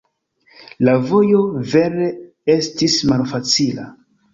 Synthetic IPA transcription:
lavo̞jo̞ve̞ɾe̞ | e̞stismalfat͡sila̰

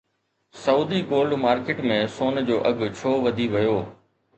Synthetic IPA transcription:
sɐuːd̪iɡoːlɖmaːɾkeːʈmẽsoːnd͡ʑoːʔɐɡt͡ɕʰoːʋɐd̪ʱiʋɐjoː

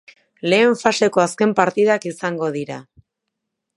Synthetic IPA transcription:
le̞ːɱfase̞ko̞aske̞mpaɾt̪iðakisaŋɡo̞ðiɾa

